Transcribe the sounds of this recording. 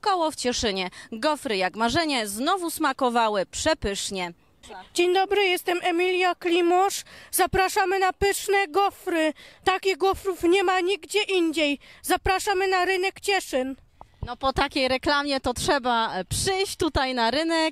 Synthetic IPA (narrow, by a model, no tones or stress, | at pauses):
kɔwɔft͡ɕɛʂɘɲɛɡɔfɾɘjakmaʐɛɲɛznɔvusmakɔvawɘpʂɛpɘʂɲɛ | d͡ʑeɲd̪ɔbɾɘjɛst̪ɛmɛmʲilʲjaklʲimɔʂzapɾaʂamɘnapɘʂnɛɡɔfɾɘt̪akʲiɣɡɔfɾufɲɛmaɲiɡd͡ʑɛʔiɲd͡ʑejzapɾaʂamɘnaɾɘnɛkt͡ɕɛʂɘn | nɔpɔt̪akʲejɾɛklamʲjɛt̪ɔtʂɛbapʂɘjɕt̪ut̪ajnaɾɘnɛk̚